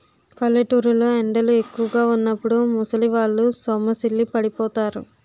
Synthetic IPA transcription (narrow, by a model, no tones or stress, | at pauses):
pʰɐlːɐʈuːɾuloːeɳɖɐlue̞kːuʋɐɡaːunːɐpːuɽumusɐliʋaːɭːusɔmɐsilːipɐɽipɔːt̪aːɾṵ